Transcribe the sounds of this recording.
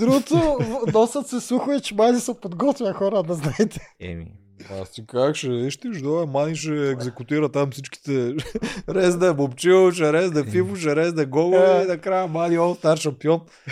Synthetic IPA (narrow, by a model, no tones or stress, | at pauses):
d̪ɾuɡʊt̪onɔsət̪sɛsuxʊɛt͡ʃɛmazisɐpod̪ɡɔt̪vʲjɐxɔɾəd̪ɐznaɛt̪ɛ̥ɛ̰mḭ | a̰st̪ikakʃɛiʃt̪iʒd̪ɔɛmaliʃ̬ɛːɡzɛkut̪iɾɐt̪amfsit͡ʃki̥t̪ɛ | ɾɛzd̪ɐbopt͡ʃit͡ʃɛɾɛzd̪ɐfifut͡ʃɛɾɛzd̪ɐɡɔɡolinɐkɾajəmaliɔst̪aɾʃɐmpiɔn